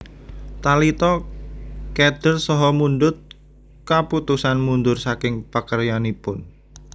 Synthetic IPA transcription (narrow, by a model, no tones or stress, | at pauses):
t̪alit̪ɔ | kɛd̪̥ərsɔɦɔmunɖʊt̪̚ | kaput̪usanmund̪ʊrsakɪŋpakərjanipʊn